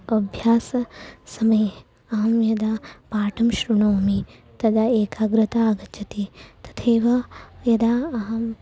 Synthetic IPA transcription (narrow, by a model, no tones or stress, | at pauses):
ɐbʱjaːsɐsɐmɐj | aːmjɐd̪apaːʈɐmʃɾuɳoːmi | t̪ɐd̪aeːkaːɡɾɨt̪aːɡɐt͡ʃʰɐt̪it̪ɐ̥t̪ʰeːʋajɐd̪aɦm